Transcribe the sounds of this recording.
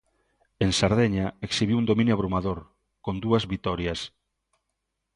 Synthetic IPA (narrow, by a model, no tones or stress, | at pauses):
eŋsaɾðeɲaeksiβiund̪omĩnjuaβɾumaðoɾ | kond̪uɐzβit̪ɔɾjas